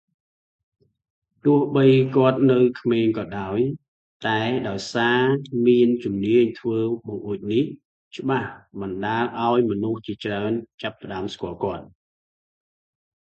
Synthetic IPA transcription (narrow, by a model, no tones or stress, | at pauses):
t̪ʊəhɓəjkŏət̪̚nɨwkʰmeːŋkɑːɗaɔj | t̪aɛɗaɔjsaːmiənt͡ɕumniəɲt̪ʰʋəːɓoʔuːc̚nih | t͡ɕə̆ɓahɓɑnɗaːlʔaɔjmɔnuht͡ɕiət͡ɕraənt͡ɕapːə̆ɗaəmskŏəlkŏət̪̚